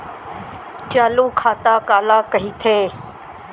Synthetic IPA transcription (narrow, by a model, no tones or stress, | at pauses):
t͡ʃaːluːkʰaːt̪aːkaːlaːkəɦiːt̪ʰeː